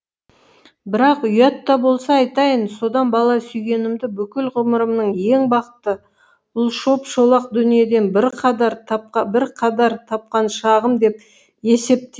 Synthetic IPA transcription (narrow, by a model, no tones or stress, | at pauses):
bɪɾɑqʏjɑt̪ːɑbo̞lˠsɑːjt̪ɑjənso̞d̪ɑnbɑlˠɑsʏjɡʲe̞nɪmd̪ɪbʏkʲɪlʁʊməɾəmnəɴje̞ŋbɑqət̪ːə | ʊlˠʃo̞pʃo̞lˠɑq̚d̪ʏnije̞d̪e̞nbɪɾqʰɑd̪ɑɾt̪ʰɑp̚qɑbɪɾqʰɑd̪ɑɾt̪ʰɑp̚qɑnʃɑʁəmd̪e̞p | e̞se̞p̚t̪e